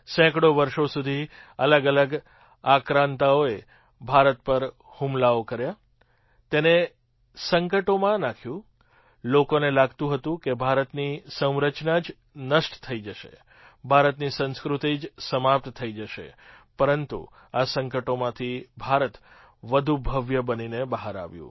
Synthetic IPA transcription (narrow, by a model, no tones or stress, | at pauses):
sɛ̃kɽoʋəɾʃosud̪ʱiələɡələɡ | akɾãnt̪aoe | bʱaɾət̪̚pəɾ | humlaokəɾja | t̪ene | səŋkəʈomãnakʰjũ | lokonelaɡt̪ũɦət̪ũkebʱaɾət̪nisə̃w̃ɾət͡ʃnad͡ʒ | nəʃʈt̪ʰəid͡ʒəʃḛ | bʱaɾət̪nisə̃nskɾut̪id͡ʒsəmap̚t̪t̪ʰəid͡ʒəʃḛpəɾənt̪ṵ | asəŋkəʈomãt̪ʰibʱaɾət̪ | ʋəd̪ʱubʱəʋjəbəninebəɦaɾa̰ʋjṵ̃